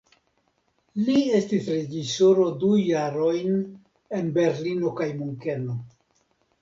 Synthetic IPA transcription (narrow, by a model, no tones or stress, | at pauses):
lie̞stisɾe̞d͡ʒiso̞ɾo̞dujaɾo̞jn | e̞nbe̞ɾlino̞kajmuŋke̞no̞